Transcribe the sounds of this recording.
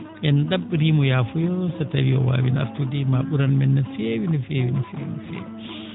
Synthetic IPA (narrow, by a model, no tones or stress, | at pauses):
ʔɛnɗaɓːɾimujaːfujɔsɛtawijɔ̰wa̰ːwina̰ɾtudimaɓuɾanmɛnːɛfewinɛfeːwinɛfḛːwinɛfḛːwi